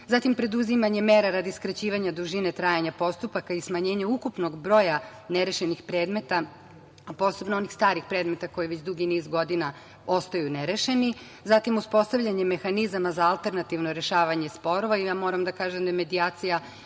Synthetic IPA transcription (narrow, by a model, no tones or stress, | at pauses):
zat̪impɾe̞d̪uzimaɲemeɾaɾad̪iskɾat͡ɕiːʋaɲad̪uʒine̞t̪ɾaːjaɲapo̞st̪upakaismaɲe̞ːɲaukupno̞ɡbɾo̞ːja | neɾeʃenixpɾe̞ːd̪me̞t̪a | apo̞ːse̞bnoonixst̪aːɾixpɾe̞ːd̪me̞t̪ako̞jiʋet͡ɕd̪uɡinizɡo̞d̪ina | o̞st̪ajuneɾeʃe̞ni | zat̪imuspo̞st̪aʋʎʲaɲe̞me̞xanizamazaalˠt̪e̞ɾnat̪iʋnoɾe̞ʃaːʋaɲe̞spo̞ɾo̞ʋaijaːmo̞ːɾamd̪akaːʒemd̪ajme̞d̪iaːt̪sija